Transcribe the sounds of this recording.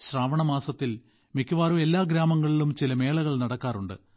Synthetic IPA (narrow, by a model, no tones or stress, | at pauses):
ɕraːʋɐɳɐmaːsɐt̪ːil | mikːuʋaːɾume̞lːaːɡɾaːmɐŋːɐɭilumt͡ɕilɐme̞ːɭɐɣɐɭnɐɽɐkːaːrɾuɳɖɨ̰